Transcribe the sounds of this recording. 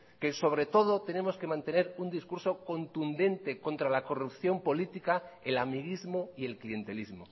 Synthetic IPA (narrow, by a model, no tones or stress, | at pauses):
ke̞so̞β̞ɾe̞t̪o̞ð̞o̞t̪e̞nẽ̞mo̞ske̞mãnt̪e̞ne̞ɾund̪iskuɾso̞ko̞nt̪und̪e̞nt̪eko̞nt̪ɾalako̞rup̚θjo̞mpo̞lit̪ikaelamiɣizmoie̞lklie̞nt̪e̞lizmo